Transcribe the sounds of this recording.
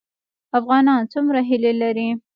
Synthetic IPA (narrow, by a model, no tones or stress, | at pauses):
afɣɑnɑnt͡sumɾaɦɪlelaɾi